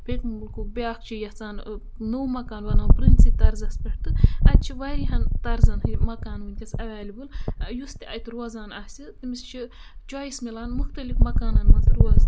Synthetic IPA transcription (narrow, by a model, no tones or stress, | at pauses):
pʰʲekmɨbɨlkubʲaːkt͡ʃʰijɐt͡saːn | nowmɐkaːnʋɐnawpɾɨnsit̪ɐɾzɐspʲɐʈt̪ɨɐd̪̚t͡ʃʰiʋaɾiɦɐnt̪ɐɾzɐnhɨmɐkaːnwɨnʲkʲɐsɐʋaːlʲibɨljust̪iɐjt̪ɾɐzaːnasʲit̪ɨmist͡ʃʰit͡ʃaːjismilaːnmuxt̪ɐlifmɐkaːnɐnmɐzɾuɐz